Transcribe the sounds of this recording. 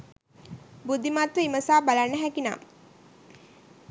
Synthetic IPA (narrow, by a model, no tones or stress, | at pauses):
bud̪imat̪ʋəiməsaːbalanːəɦækina̰ː